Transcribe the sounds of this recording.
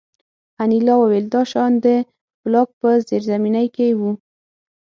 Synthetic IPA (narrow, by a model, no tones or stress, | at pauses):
anilɑwaweld̪ɑʃɑnd̪ə | b̥lɑk̚pəzeɾzaminajkewu